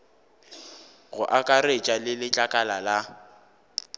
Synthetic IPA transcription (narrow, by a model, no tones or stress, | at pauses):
ɣʊʔakʼaret͡ʃʼalɪlɪt͡ɬʼakʼalala